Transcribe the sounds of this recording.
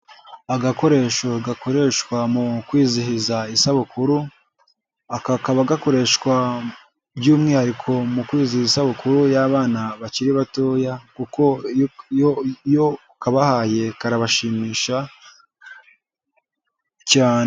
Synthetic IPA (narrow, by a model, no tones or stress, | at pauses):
aɡako̞ɾe̞ːʃoɡako̞ɾe̞ːʃkwamukwiːzihizaisaβukuɾu | akakaβaɡako̞ɾe̞ːʃwa | bɟuːmŋiːhaɾikʰo̞mukwiːzihisaβukuɾujaβaːnaβaciɾiβato̞ːjakuko̞ | ojo | kaβahaːje̞kaɾaβaʃiːmiːʃa | caːne